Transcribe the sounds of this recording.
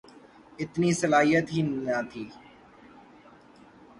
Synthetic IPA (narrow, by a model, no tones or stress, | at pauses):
ɪt̪niːsəlaːɦijət̪ɦiːnãt̪ʰiː